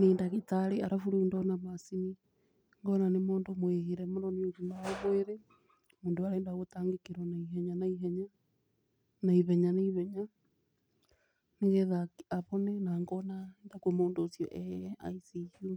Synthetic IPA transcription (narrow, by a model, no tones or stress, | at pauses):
neːndaɣetaɾeaɾafuɾundɔnaβasini | ŋɡɔnanemoːndomweɣiɾɛmonɔniofunaoβweɾe | moːndoaɾeːndaɣotaːŋɡekeɾɔnaiɦɛɲanaiɦɛɲa | naiβɛɲanaiβɛɲa | neɣeðakaβɔnɛnaŋɡɔnaendakemoːndoːsjɔ̰ʔɛa̰isiju